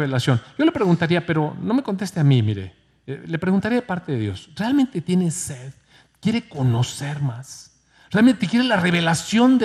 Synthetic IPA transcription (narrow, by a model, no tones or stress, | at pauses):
elasjo̞nʝo̞le̞pɾe̞ɣunt̪aɾiape̞ɾo̞no̞me̞ko̞nt̪e̞st̪eamimiɾḛ | ele̞pɾe̞ɣunt̪aɾiaðepaɾt̪eðeðjo̞̰srealmẽnt̪e̞t̪jene̞seð | kje̞ɾeko̞no̞seɾmas | r̥ealment̪e̞kjeɾelare̞βelasjo̞nd̪e